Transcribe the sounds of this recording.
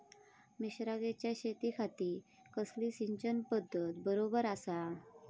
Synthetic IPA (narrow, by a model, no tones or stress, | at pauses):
miɕɾaɡet͡ɕjaɕet̪ikʰat̪iː | kəsliːsiɲt͡ɕənpəd̪ʱːət̪bəɾobəɾasa